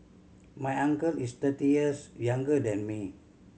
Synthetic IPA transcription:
majaŋkəlist̪ət̪iəsjaŋɡədɛnmi

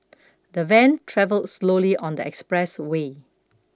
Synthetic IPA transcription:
dəvɛ̃ntʰɹɛvəldsloliʔɔ̃ndəɛkspɹɛswe

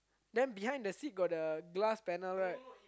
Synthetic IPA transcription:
dɛ̃nbiɦãj̃ndəsit̚ɡɔt̚dəɡlaspɛnəlɹat̚

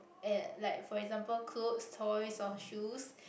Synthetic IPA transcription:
ɛ̃laɪk̚fɔɛɡzãmpəlkʰlopstʰɔɹisɔfʃus

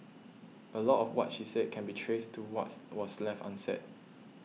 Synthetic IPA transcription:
ʔəlɔtɔfwɔ̰tʃisɛd̚kʰɛ̃nbitʰɹestʰuwɔtwɔslɛftã̰nsɛ̰t̚

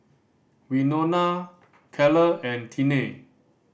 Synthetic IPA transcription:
winona | kʰɛləɛ̃ntʰine

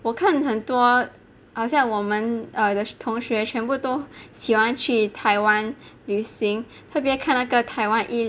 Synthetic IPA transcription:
wɔkʰanxənt̪wɔ | xɑʊɕjɑŋwɔmənəd̪ət̪ʰʊŋʂɥɛt͡ɕʰɥɛnput̪oʊɕixwant͡ɕʰyt̪ʰaɪwanlyɕiŋ | t̪ʰɤp̬jɛkʰannaɡət̪ʰaɪwanʔi

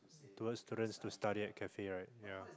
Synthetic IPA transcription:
tuwətstudə̃nstustaɾiɛt̚kʰɛfeɹaɪt̚ja

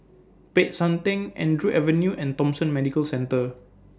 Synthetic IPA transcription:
pet̚sãmt̪ɪ̃ŋɛ̰̃ndɹuʔɛvə̃njuʔɛ̃ntɔ̃msə̃nmɛdikəlsɛ̃ntə

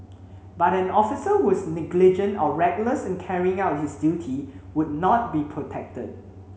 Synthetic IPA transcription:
batɛ̃nɔfisəwɔsnɪɡlid͡ʒə̃ntɔɹɛɡləsɛ̃nkʰɛɹiɪ̃ŋaʊt̚hisdjutʰiwʊd̚nɔt̚bipʰɹotʰɛk̚tə̰d̚

